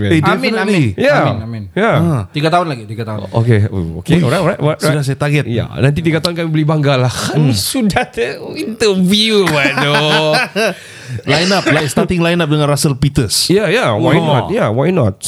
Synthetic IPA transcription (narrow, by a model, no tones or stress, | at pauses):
edɛfnəlijanamɪnjaət̪iɡat̪aʊnlaɡit̪iɡat̪aɦʊʔo̰keo̰o̰keɔɾajɔajt̪ɔajsudahs̬ajat̪aɡɛt̪ja̰nãnt̪it̪̬iɡat̪aʊnkamibəlibaŋɡalahkamisudahdəint̪əviuwado | lajnap̚lajst̪at̪ɪŋlajnap̚dəŋãnrasəlpit̪əsjajawajnɔt̚jawajnɔt̪̚